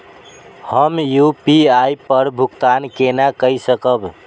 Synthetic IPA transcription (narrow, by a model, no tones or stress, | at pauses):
həmjupiajpəɾbʱukt̪ankenakəjsəkəb